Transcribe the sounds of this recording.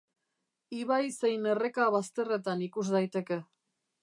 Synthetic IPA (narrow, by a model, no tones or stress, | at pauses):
iβajse̞jne̞re̞kaβast̪e̞re̞t̪anikuzdajt̪e̞ke̞